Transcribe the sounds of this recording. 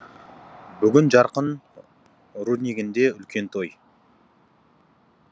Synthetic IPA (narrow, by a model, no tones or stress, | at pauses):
bʏɡʲɪnʒɑɾqən | ɾud̪niɡʲɪnd̪e̞ʏlkʲe̞nt̪ʰo̞j